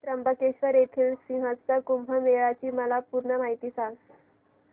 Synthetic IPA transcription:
t̪ɾəmbəkeɕʋəɾjet̪ʰiːlsĩŋɦəd͡zt͡sakumbʱəmeɭat͡ɕiːməlapuɾɳəmaɦit̪iːsaŋ

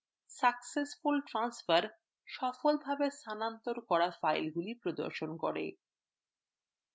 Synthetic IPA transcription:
saksesfulʈɾansfaɾ | ʃɔfolbʱabest̪ʰanant̪oɾkɔɾafajlɡulipɾod̪o̰ɾʃonkɔ̰ɾḛ

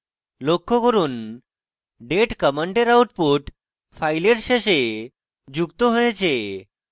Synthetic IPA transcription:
lokːokəɾuːn | ɖeʈkəməɳʈeɾawuʈpuʈ | fajleɾɕeɕe | d͡ʑukt̪oɦojt͡ɕʰe

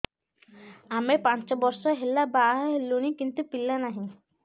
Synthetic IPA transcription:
amepant͡ʃɔbɔɾsɔɦelabaʔaɦɦeluñikint̪upilanaɦĩ

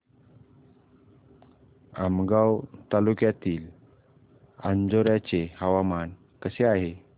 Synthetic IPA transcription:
amɡawt̪alukjat̪iːl | a̰nd͡zoɾjat͡ɕehaʋaman | kəseaɦe

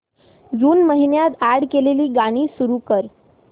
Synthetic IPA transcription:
d͡zuːnməɦinjat̪æɽkeleliːɡaɽ̃iːsuɾuːkəɾ

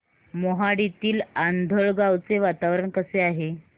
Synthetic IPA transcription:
moɦaɽit̪iːland̪ʱəɭɡawt͡seʋat̪aʋɾəɳkəseaɦe

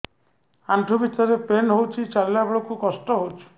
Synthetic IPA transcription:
aɳʈʰubit̪ɔɾepenɦowt͡ʃʰit͡ʃalilabɔɭɔkukɔsʈɔɦowt͡ʃʰu̥

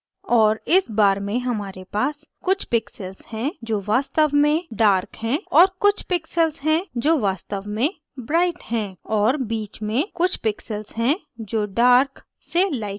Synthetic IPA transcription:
ɔːɾɪsbaːɾmẽɦɐmaːɾepaːs | kʊt͡ʃʰpɪksəlzhɛ̃d͡ʒoːʋaːst̪əʋmẽɖaːɾkɦɛ̃ːɔːɾkʊt͡ʃʰpɪksəlzɦɛ̃d͡ʒoːʋaːst̪əʋmẽ | bɾaːɪʈhɛ̃ːɔːɾbiːt͡ʃmẽkʊt͡ʃʰpɪksəlzɦɛ̃ | d͡ʒoːɖaːɾk | selaːɪ

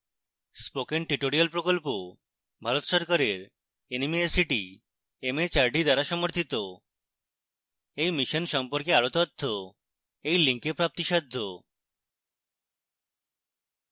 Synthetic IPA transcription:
spokenʈɾiʈoɾialpɾokolpo | bʱaɾot̪ʃɔɾkaɾeɾ | enimiesiʈi | emet͡ɕaɾɖʱid̪aɾaʃɔmoɾt̪ʰit̪o | ejmiʃonʃɔmpoɾkeaɾot̪ɔt̪ʰːo | ejliŋkepɾap̚t̪iʃɔd̪ʱːo

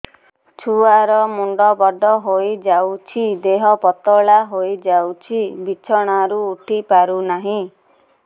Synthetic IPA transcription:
t͡ʃʰuaɾɔmuɳɖɔbɔɖʱɔɦojd͡ʒawt͡ʃʰid̪eɦɔpɔt̪ɔɭaɦojd͡ʒawt͡ʃʰibit͡ʃʰɔɽ̃aɾuːʈʰipaɾunaɦĩ

